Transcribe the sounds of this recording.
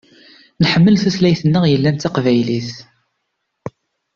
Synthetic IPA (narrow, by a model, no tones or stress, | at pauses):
nħəmːəlθuθlæjθənːəʁjəlːænt̪ɑqvæjliθ